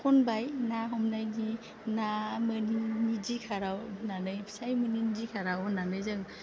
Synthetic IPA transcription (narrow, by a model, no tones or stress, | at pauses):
kʰɔnbajnaɦɔmnajni | namɯninid͡ʒikʰaɾawnanɯjbsajmɯninizikʰaɾawnanɯjzɯŋ